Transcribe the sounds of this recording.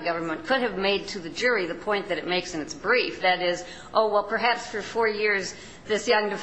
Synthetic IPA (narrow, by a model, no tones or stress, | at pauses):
ɡʌvə̃˞mɨ̃nkʰʊɾ̚ɨvmeɪd̚tʰɨðɨd͡ʒʊɹiðɨpʰɔ̃ɪ̃nðɨɾɨt̚meɪksɨ̃nɨtsb̥ɹifðɨɾɪz | ʔoʊwɛlˠpʰə˞ɦæpsfə˞fɔɹjɪɹz | ðɪsjʌ̃ŋdɨf